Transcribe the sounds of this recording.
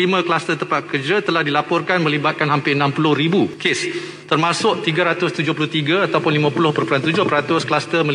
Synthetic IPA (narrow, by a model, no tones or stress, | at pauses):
imə̃klast̪ərt̪əmpat̪̚kərd͡ʒat̪əlahdilapɔrkanmə̃libat̪̚kanɦampɪənãmpulʊhɾibukes | t̪ərmãsʊk̚t̪iɡaɾat̪ʊst̪ud͡ʒʊhpulʊht̪iɡaat̪awpʊnlimãpulʊhpərpulant̪ud͡ʒʊhpəɾat̪ʊsklast̪əmə̃